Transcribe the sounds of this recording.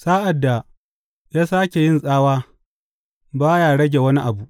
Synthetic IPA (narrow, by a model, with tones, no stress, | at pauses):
saː˦ʔa˨dːa˨ | jaː˦saː˦kʲe˨jɪ˦nsʼaː˦waː˦ | baː˦jaː˨ɽɐ˦ɡʲe˨wɐ˦ni˦ʔa˨bu˨ʔ